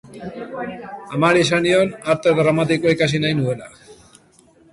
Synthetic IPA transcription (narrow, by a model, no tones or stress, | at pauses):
amaɾisanionaɾt̪eðɾamat̪̬ikoikasinajnue̞la